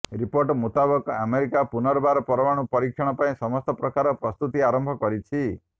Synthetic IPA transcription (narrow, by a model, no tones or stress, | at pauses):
ɾipoɾʈmut̪abɔkameɾikapunɔɾɔbaɾɔpɔɾɔwaɽ̃upɔɾikʰjɔɽ̃ɔpaĩsɔmɔst̪ɔpɾɔkaɾɔpɾɔst̪ut̪iaɾɔmbʱɔkɔɾit͡ʃʰi